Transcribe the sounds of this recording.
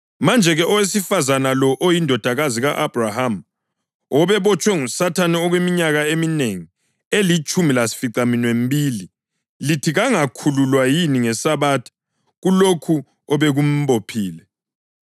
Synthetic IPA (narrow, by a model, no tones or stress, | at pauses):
mand͡ʒʱɛɣɛʔɔwesifazanalɔʔojindʱɔd̥ʱaɣaziɣaʔab̥raham | ɔβɛβɔt͡ʃʼwɛŋusatʰaniɔɣwemiɲaɣaemineŋi | elit͡ʃʼumilasi̥fiǀaminwem̩biːli | litʰiɣaŋakʰululwajiniŋɛsaβaːtʰi̥ | ɣulokʰu | ɔβeɣum̩bopʰiːlɛ